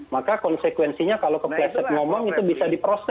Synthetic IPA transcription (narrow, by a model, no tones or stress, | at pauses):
makakɔnsekwɛnsiɲakalokəplɛsɛt̪̚ŋomɔŋit̪ubisadipɾosɛ